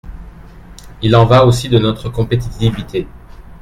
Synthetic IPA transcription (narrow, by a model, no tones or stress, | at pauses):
ilɑ̃vaosid̪ənɔt̪χəkɔ̃pet̪it̪ivit̪ʰe